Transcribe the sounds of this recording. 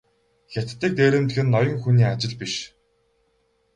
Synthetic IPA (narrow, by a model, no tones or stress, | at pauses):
xʲat̪t̪ːiːk̚t̪eːɾɘ̆mt̪ɡɘ̆nːɔjɞ̆ŋxuniːat͡ɕɪ̆ɮpiʃ